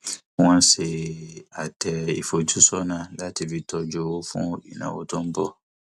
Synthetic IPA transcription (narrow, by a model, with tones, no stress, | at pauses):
ã˦n˦se˨a˨tʰɛ˨ḭ˨fo˨d͡ʒu˦sɔ˦nã˨la˦ti˨vi˨tɔ˨d͡ʒo˨wo˦fṵ̃˦o˦ɗḭ˨nã̰˨wo̰˦tɔ˦m̩˦bɔ˦